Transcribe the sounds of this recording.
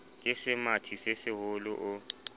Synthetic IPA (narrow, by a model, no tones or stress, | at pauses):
jʼɛsɪmatʰisesɪhʊlʊʔʊ